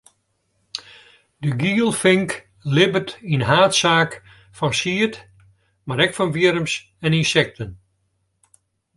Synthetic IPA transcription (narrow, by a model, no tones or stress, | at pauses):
dəɡiːlˠfɪŋk | lɪbərtinɦaːtsaːk | fɔnsiət | maɾɛkfɑnviəɾəms | ɛninsɛk̚tʰən